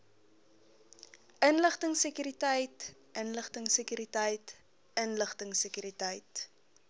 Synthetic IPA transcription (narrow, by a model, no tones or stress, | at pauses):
ənləχtəŋsəkyɾitəjt | ənləχtəŋsəkyɾitəjt | ənləχtəŋsəkyɾitəjt